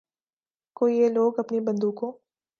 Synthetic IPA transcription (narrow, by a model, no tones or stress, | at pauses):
koːieloːɡɐpnibɐ̃nd̪ũkõ